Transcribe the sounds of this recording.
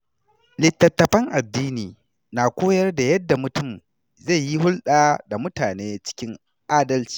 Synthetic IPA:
lɪ˨tːɐ˨tːɐ˨ɸɐ˦ŋʔa˨dːiː˦niː˨ | naː˨kʷoː˦jɐ˦rda˨jɐ˦dːa˨mʊ˨tʊ˦˨m | za˦˨jji˦ɦʊ˦lɗaː˦da˨mʊ˦taː˨neː˦t͡ʃɪ̥˦kʲɪ˦ŋ | ʔaː˦dɐ˦lt͡ʃi̥ː˨

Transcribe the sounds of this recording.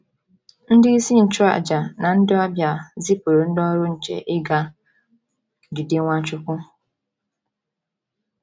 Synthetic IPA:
n̩˦dɪ˦i˦si˦n̩˨t͡ʃʊ˦ɾa̰˦˨d͡ʒa˨nã˨n̩˦dɪ˦ɔ˦bja˨zi˦po˨ɾo˨n̩˦dɔ˦ɾʊ˦n̩˨t͡ʃɛ̰˨ʔɪ˦ɡa˨ | dɪ˨de˦ŋʷã˦t͡ʃʊ˦kʊ˦

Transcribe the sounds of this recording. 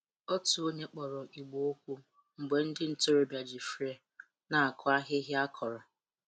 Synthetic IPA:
ɔ˦tu˨o˦ɲe˦k͡pɔ˨ɾɔ˨ʔi˨ɡ͡bo˨o˦kʷu˦ | ŋ͡m̩˨ɡ͡be˨n̩˦dɪ˦n̩˨to˦ɾo˨bja˨d͡ʒi˨fɾe˦ | na˨a˨kʰʊ˦a˦ɦɪ˦ɦɪ˦a˦kʰɔ˨ɾɔ˨

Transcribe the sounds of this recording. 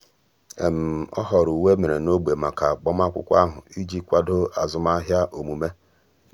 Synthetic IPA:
e˨m̩˨ɔ̰˦ɦɔ˨ɾu˨we˦me˨ɾe˨no˦ɡ͡be˨ma˨ka˨k͡pɔ˦m˦a˦kʷʊ̰˦kʷa˦ɦʊ̰˨i˦d͡ʒi˦kʷa˦do˦a˨zʊ˦ma˦ɦja˦ʔo˨mu˨me˦

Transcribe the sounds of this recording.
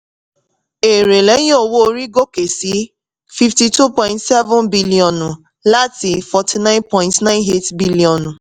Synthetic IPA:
e˨ɾe˨le˦o˦˨wo˦o˦ɾi˦ɡo˦ke˨si˨˦ | fi˨fti˨tu˦pɔ̃˨ɪ̃ntsɛ˦vɔ̃˦nbi˦li˨ɔ˨nʊ˨ | la˦ti˨fɔ˨tʰi˨nã˦ɪ̃˦npɔ˦ɪ̃ntnã˦ɪ̃˦ne˦tbi˦li˨ɔ˨nu˨

